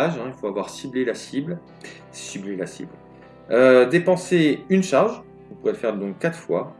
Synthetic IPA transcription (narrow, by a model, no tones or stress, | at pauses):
aʒɛ̃ilfoavwaʁsiblelasibl | siblelasḭbl | ød̪epɑ̃seynʃaʁʒ | ɔ̃puʁɛləfɛʁd̪ɔ̃kːat̪χfwa